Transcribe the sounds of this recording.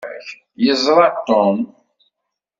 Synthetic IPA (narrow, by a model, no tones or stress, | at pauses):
ç | jəzˤɾˤɑt̪ːon